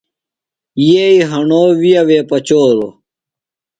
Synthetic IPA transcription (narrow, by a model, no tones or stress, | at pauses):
jeiɦɐɳoːʋijɐʋeːpɐt͡ɕoːɾo